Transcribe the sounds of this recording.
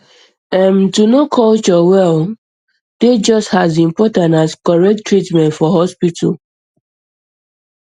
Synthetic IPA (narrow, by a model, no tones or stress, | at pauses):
ɛ̃mtunokʰɔlt͡ʃɔwɛl | d̥ed͡ʒʌsthazĩmpɔtãntaskɔɹɛk̚tɹitmɛ̃ntfɔɦɔspitʰə̰l